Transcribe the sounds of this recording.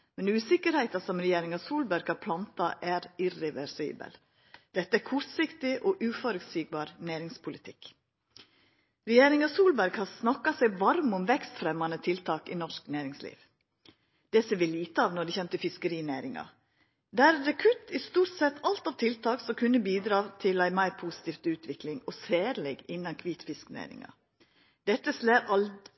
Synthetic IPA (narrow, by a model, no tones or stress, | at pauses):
mɛnʉːsɪkəɾhɛɪt̪ɑsɔmɾɛjeːɾɪŋɑsuːlbæɾɡhɑpʰlɑnt̪ɑʔæːɾɪɾɛʋɛɾsḭːbə̰l | d̪̥ɛt̪ːəækʰʊɾt̪sɪkt̪ɪʔɔʔʉːfɔɾəsiːɡ̚bɑːɾnæːɾɪŋspʰʊlɪt̪ʰɪk | ɾɛjeːɾɪŋɑsuːlbæɾɡhɑsnɑkːɑsæɪʋɑɾmɔmʋɛkst̪fɾɛmɑnət̪ʰɪlt̪ʰɑːkɪ̰nɔʂknæːɾɪŋslḭːʋ | d̪̥ɛseːɾʋɪliːt̪əɑːʋnɔɖɛçɛmt̪əfɪskəɾiːnæːɾɪŋɑ̰ | d̪ææɾɾɛkʰʉt̪ːɪst̪uːʈsɛt̪ːɑlt̪ɑʋt̪ʰɪlt̪ʰɑːksɔmkʰʉnːəbiːd̪ɾɑːt̪ʰɪlæɪmæɪɾpʰuːsɪ̥t̪iːft̪ʉːt̪ʰʋɪklɪŋɔseːɾlɛɡɪnːɑnkʰʋiːt̪fɪsknæ̰ːɾɪ̰ŋɑ̰ | d̪ɛt̪ːəsleːɾɑl